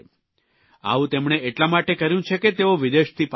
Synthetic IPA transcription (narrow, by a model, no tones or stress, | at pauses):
a̰ʋũt̪emɳ̃eeʈlamaʈekəɾjũt͡ʃʰeket̪eoʋid̪eʃt̪ʰip